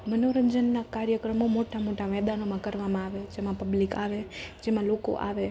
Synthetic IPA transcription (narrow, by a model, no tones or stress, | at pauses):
mənoɾəɲd͡ʒənːakaɾjəkɾəmomoʈamoʈamɛd̪anomãkəɾʋamãaʋed͡ʒemãpəblikaʋed͡ʒemãloko̰ʔa̰ʋe